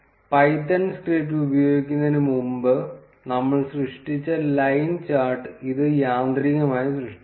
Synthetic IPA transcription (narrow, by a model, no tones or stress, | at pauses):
pɐjt̪ːɐnsʈeːʈ̬ːlubɐjo̞ːɡikʲːunːɐðinɨmumbɨ | nɐmːɐɭsrɨʂʈit͡ɕːɐlɐjnt͡ɕaːrʈɨiðɨjaːnd̪riŋɡɐmaːjisrɨʂʈi